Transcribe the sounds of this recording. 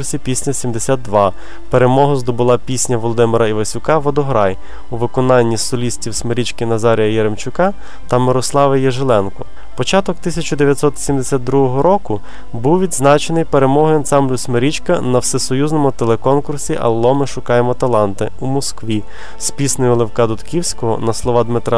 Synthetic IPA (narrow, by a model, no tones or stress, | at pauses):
sʲipʲisʲnʲɐsʲimd̪esʲad̪̚d̪ʋɑ | peɾemɔɦʊzd̪ɔbʊlˠɑpʲisʲnʲɐʋɔlˠɔd̪ɪmɪɾɐiʋɐsʲʊkɑʋɔd̪ɔɦɾɑj | uʋɪkɔnɑnʲːisɔlʲisʲtʲiwsmeɾʲit͡ʃkɪnɐzɑɾʲijɐjeɾemt͡ʃʊkɑ | t̪ɐmɪɾɔslˠɑʋejɛʒelˠɛnkɔ | pɔt͡ʃɑt̪ɔkt̪ɪsʲɐt͡ʃʊd̪eʋjɐt̪ʲsɔt̪sʲimd̪esʲat̪̚d̪ɾuɦɔɦɔɾɔkʊ | buwʋʲid̪znɑt͡ʃenɪjpeɾemɔɦɔjɐnsɑmblʲʊsmeɾʲit͡ʃkɐnɐwsɪsɔjuznɔmʊt̪elˠekɔnkʊrsʲiʔɐ̰lˠːɔmɪʃʊkɑjemɔt̪ɐlˠɑnt̪ɪumɔskʋʲi | spʲisnɔjʊlˠewkɑd̪ʊt̪kʲiwsʲkɔɦɔ̰nɐslˠɔʋɑd̪mɪt̪ɾɑ